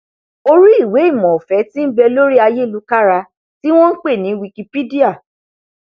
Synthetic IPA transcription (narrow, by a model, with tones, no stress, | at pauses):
o˧ɾi˦i˦˨we˨˦i˦˨mɔ̃˨fɛ˨˦tĩ˦n̩˦bɛ˧lo˦ɾi˦a˧je˦˨lu˨˦ka˦ɾa˧ | ti˦w̃ɔ̃˦n̩˦k͡pe˦˨nĩ˨˦wi˧ki˧pi˦di˦a˦˨